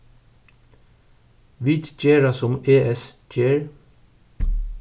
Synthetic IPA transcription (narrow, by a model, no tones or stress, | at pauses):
ʋɪt̪c͡çeːɹɑsɔmeːʔɛs | t͡ʃeːɹ